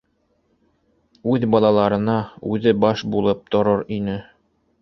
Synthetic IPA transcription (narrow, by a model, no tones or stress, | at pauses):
ʉðbɑlˠɑlˠɑɾɤ̆nɑʉðɘbɑʃbulˠɤp̚t̪ŏɾɤɾinɘ